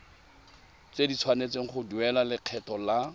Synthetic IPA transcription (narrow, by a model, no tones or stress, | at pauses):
t͡sedit͡sʰwanet͡seŋ̩χʊduɛlalɪq͡χʰɛtɔla